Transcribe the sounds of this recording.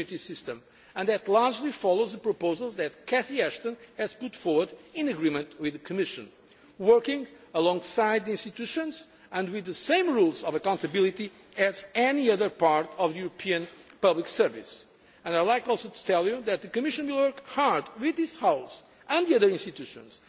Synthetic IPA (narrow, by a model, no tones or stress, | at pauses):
jit̪isɪst̪ə̃m | ɨ̃nðɨt̪laɹd͡ʒlifɔlˠowzðəpɹɔpoʊzəlˠzðɨt̪̚kʰɛθiɛʃt̪ə̃nhɛz̥put̪fɔɹwə˞dĩnɨɡɹimɨ̃nt̪wɪðɨkʰɨmɪʃɨ̰̃n | wɜɾkɪ̃ŋəlɔ̃ŋɡsaɪd̪̚iĩnst̪it̪ʉʃə̃nz | ɨ̃nwɪðɨsẽɪ̃mɹulˠzɔvəkãʊ̃nt̪ɨbilˠit̪i | ɨzɛniʌðə˞paɹt̪ɔvðɨjuɾəpʰiɨ̃npʌbliksɜ˞vḭs | ɨ̃naɪlaɪkɔlˠsot̪ʰu̥t̪ʰɛlˠjuðɨt̪̚ðɨkɨmɪʃə̃nwilˠwɜɹkhaɹd̪wɪðɪshaʊs | ɨ̃nðiʌðə˞ĩnst̪it̪uʃə̰̃nz̥